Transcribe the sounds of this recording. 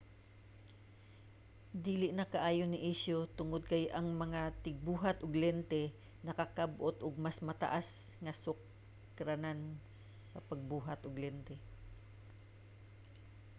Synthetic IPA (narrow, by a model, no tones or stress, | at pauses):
d̪iːlɪʔnɐkaʔaːjonɪʔɪʃjot̪ʊŋʊd̪̚kajʔɐŋmɐŋat̪ɪɡ̚buːɦat̪ʊɡlɛnt̪ɛ | nɐkakabʔot̪ʊɡ̚masmɐt̪ɐ̰ʔas | ŋɐsʊk | ɾanan | sɐpɐɡ̚buːɦat̪ʔʊɡlɛnt̪ɛ